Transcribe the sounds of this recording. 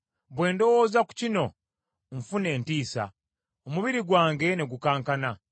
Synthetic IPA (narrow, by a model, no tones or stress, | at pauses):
βwe̞ːndo̞wo̞ːzaku̥cino̞ | ɱfune̞ːntiːsa̰ | omuβiɾiɡwaːŋɡe̞ne̞ɡukaːŋkana